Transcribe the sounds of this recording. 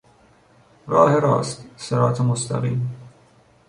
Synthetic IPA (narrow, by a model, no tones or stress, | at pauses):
ɾɒːheɾɒ̰ːst̪seɾɒːt̪ʰemost̪ʰæ̰ɣiːm